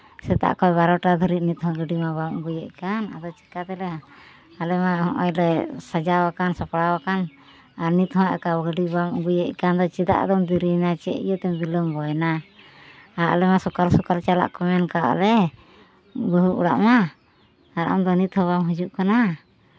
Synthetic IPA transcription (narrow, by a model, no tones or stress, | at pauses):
sɛt̪a̰ʔkɔjβaɾɔʈad̪ʱɔɾiʔ̪̚nit̪ɦɔ̃ɡəɖimabamṵɡujɛʔ̚kana̰d̪ɔt͡ʃɛ̥kat̪ɛlɛ | alɛmahɔ̃ʔɔ̰jɾɛsad͡ʒawakansɔpɽawakan | aɾnit̪hɔ̃ʔɛ̰kaɡəɖibamṵɡujɛʔ̚kand̪ɔt͡ʃid̪a̰ʔd̪ɔmd̪iɾinat͡ʃɛ̰ḭjɔt̪ɛmbilɔmbɔjna | aɾa̰lɛmasɔkalsɔkalt͡ʃala̰ʔkɔmɛnkaʔlɛ | bəɦuʔṵɽa̰ʔmaː | ɾa̰md̪ɔnit̪hɔ̃βamɦud͡ʒuʔkana